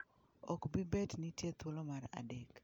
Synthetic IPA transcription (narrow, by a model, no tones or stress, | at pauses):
ɔkbibɛtnitjet̪olomaɾa̰dek